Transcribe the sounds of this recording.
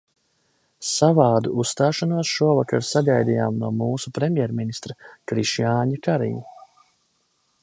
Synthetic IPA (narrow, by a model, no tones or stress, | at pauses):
savaːd̪uusːt̪aːʃanuɔsʃuɔvakaɾsaɡajd̪ijaːmnuɔmuːsupɾɛmjɛɾminist̪ɾakɾiʃjaːɲikaɾḭɲu